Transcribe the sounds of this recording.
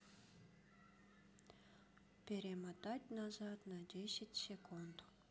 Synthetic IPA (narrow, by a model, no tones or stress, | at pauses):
pʲeɾʲemɑt̪ɑt̪ʲnɑzɑt̪nɑd̪ʲesʲɪtʲsʲekund̪